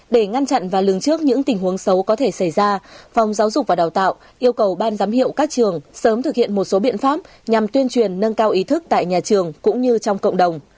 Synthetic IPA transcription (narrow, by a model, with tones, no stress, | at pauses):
ɗe˧˩ŋa˧nt͡ɕa̰˧˨nvaː˨˩lɨ˨˩əŋt͡ɕɨ˦˥ək̚ɲɨ̰˧˥ŋt̪ï˨˩ŋ̟hɦu˨˦əŋsə˨˦wkɔ˨˦t̪ʰe˧˩sa˧˩jzaː˧fɔ˨˩wŋ͡mzaː˨˦wzʊ˨˩k͡p̚vaː˨˩ɗaː˨˩wt̪a̰ː˧˨w | ʔi˧əwkə˨˩wɓaː˧nzaː˨˦mɦḭ˧˨əwkaː˦˥k̚t͡ɕɨ˨˩əŋsəː˨˦mt̪ʰɨ˨˩k̚hḭ˧˨ənmo˨˩t̚so˨˦ɓḭ˧˨ənfaː˦˥p̚ | ɲa˨˩mt̪wi˧ənt͡ɕwi˨˩ənːə˧nkaː˧wʔi˨˦t̪ʰɨ˦˥k̚t̪a̰ː˧˨jɲaː˨˩t͡ɕɨ˨˩əŋkʊ̰˧˥ŋ͡mɲɨ˧t͡ɕɔ˧wŋ͡mkə̰˧˨wŋ͡mɗə˨˩wŋ͡m